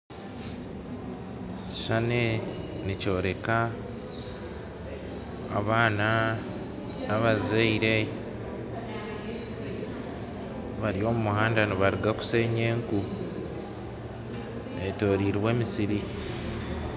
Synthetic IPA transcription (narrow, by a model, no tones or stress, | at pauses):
ʃanenico̞ːɾe̞ka | βaːna | naβazaiɾe̞ | βaɾijo̞ːmumuɦaːndaniβaɾiɡaku̥se̞ːɲe̞ːŋku | eto̞ːɾiːɾwe̞ːmisiɾi